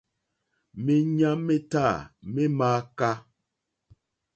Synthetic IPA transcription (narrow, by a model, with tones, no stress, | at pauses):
me˨ɲa˦me˦ta˦˨me˦maː˦ka˦